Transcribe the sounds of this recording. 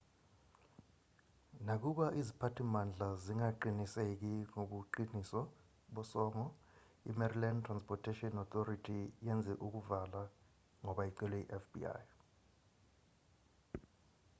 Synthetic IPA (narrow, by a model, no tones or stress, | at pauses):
nak̬uɓaʔizipʰatʰimand͡ɮʱaziŋaǃinisek̬iŋoɓuǃinisɔ | ɓɔsɔːŋɔ | ḭmɛrilantʰranspʰʼɔtʰɛʃʼiɔnɔt̪oritʰijɛnd͡zʱɛʔuk̬uvala | ŋɔɓaiǀɛlwɛḭʔɛfbḭa̰j